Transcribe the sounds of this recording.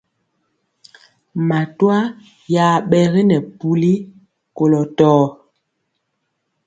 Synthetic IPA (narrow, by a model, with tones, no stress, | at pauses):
ma˨twa˦ | ja˨ɓɛ˨ɣi˦nɛ˨pu˨li˦ | ko˨lɔ˨tɔː˦